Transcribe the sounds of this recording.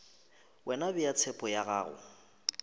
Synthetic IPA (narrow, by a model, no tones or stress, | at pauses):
wɛnabɪjat͡sʰɛpʼɔjaɣaːɣʊ̰